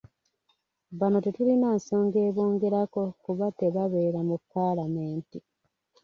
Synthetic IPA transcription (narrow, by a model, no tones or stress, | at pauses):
βano̞tetulinaːnso̞ːŋɡe̞ːβo̞ːŋɡe̞ɾako̞kuβate̞βaβe̞ːɾamupːaːlame̞ːnti